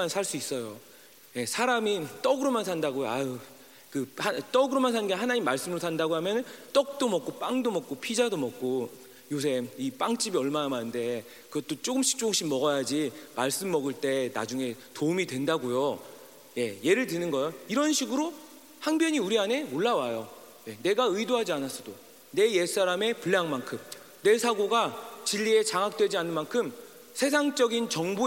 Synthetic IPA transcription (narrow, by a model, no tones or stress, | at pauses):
ansʰaɭs͈uis͈ʌjo | je̞sʰaɾamit͈ʌɡɯɾomansʰandaɡoa | kɯhat͈ʌɡɯɾomansʰannɡeɦanaɲimːaɭs͈ɯmɯɾosʰandaɡoɦamjʌnɯnt͈ʌk̚t͈omʌk͈̚op͈aŋdomʌk̚k͈opʰid͡ʑadomʌk̚k͈o | jos̬ʰe̞ip͈aŋt͡ɕ͈ibiʌɭmanamanɯnde̞ | kɯɡʌt͈ot͡ɕ͈oɡɯmɕʰi̥k̚t͡ɕ͈oɯŋɕ͈ʰimʌɡʌjad͡ʑimaɭs͈ɯmːʌɡɯɭt͈e̞na̰d͡ʑuŋe̞toumidwe̞ndaɡojo | je̞je̞ɾɯɭt̬ɯnɯnɡʌjoiɾʌnɕʰiɡɯɾo | haŋbjʌɲiuɾiane̞oɭːawajo | je̞ne̞ɡaɯidoɦad͡ʑianas͈ʰʌdo | ne̞je̞s͈aɾame̞puɭːjaŋmankʰɯm | ne̞sʰaɡoɡat͡ɕiʎːie̞t͡ɕaŋɦak̚t͈we̞d͡ʑianɯnmankʰɯm | sʰe̞s̬ʰaŋt͡ɕ͈ʌɡint͡ɕʌŋbu